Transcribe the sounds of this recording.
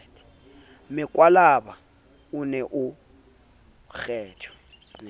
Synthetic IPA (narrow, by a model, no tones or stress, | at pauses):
tʰʼi̥ | mɪkʼwalaɓa | ʊnɛʔʊ | xɛːt͡ʃʰɔ̥